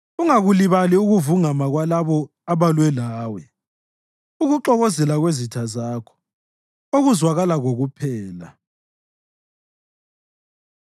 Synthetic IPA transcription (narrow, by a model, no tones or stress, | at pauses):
uŋaɣuliβaliuɣuvuŋamaɣwalaβɔ | aβalwɛlaːwɛ | uɣuǁɔɣɔzɛlaɣwezitʰazaːkʰɔ̥ | oɣuzwaɣalaɣoɣupʰɛːla̰